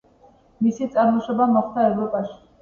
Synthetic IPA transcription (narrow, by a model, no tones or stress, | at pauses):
misit̪sʼaɾmɔʃɔbamɔχd̪aɛvɾɔpʼaʃi̥